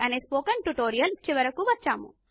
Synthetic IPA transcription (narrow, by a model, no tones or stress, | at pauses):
ɐneːspoːkɐɳʈuʈoːɾijɐlt͡ʃiʋɐɾɐkuʋɐt͡ʃːa̰ːmṵ